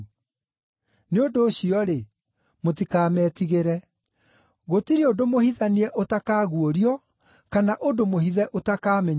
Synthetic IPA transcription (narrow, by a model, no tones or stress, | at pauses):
neondoːɕiɔɾe | mot̬ikaːmɛːtiɣeɾɛ | ɣotiɾeodomohiðaniɛʔotakaːɣuoɾiɔ | kanaʔodomohiðɛʔotakaːmɛɲ